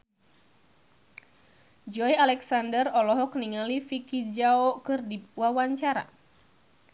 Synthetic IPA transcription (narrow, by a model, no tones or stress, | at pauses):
d͡ʒɔjalɛksandərɔlɔɦɔk̚niŋalifikid͡ʒaokɨrdiwawaɲt͡ʃaɾa̰